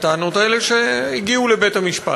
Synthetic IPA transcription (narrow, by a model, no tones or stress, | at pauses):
t̪aːno̞taeleʃeiɡiulebe̞thamiʃpa̰